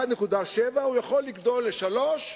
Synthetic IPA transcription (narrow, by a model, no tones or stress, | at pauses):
ad̪ne̞kud̪aʃevaujaχo̞lːiɡd̪o̞lːe̞ʃalo̞ʃ